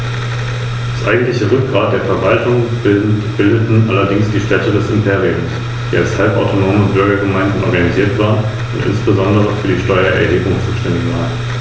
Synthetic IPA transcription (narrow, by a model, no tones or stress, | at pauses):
d̥asʔa̰ɪɡŋ̩tlɪçəʁʏk̚ɡ̥ʁaːt̚d̥eːɐfɛɐvaltʊŋ | b̥ɪldətn̩ʔalɐdɪŋsd̥iːʃtɛtədɛsɪmpʰeːʁiʊms | d̥iːa̰lshalpʔa̰ʊtʰonoːmʊnb̥ʏɐɡɐɡəmaɪ̃ndn̩ʔɔ̰ɐɡaniziːɐtv̥aːʁən | ʊntʔɪ̰nsb̥əzɔndəʁəfyːɐdiːʃtɔʏɐʔɛɐɦeːbʊŋt͡suːʃtɛndɪçv̥aːʁən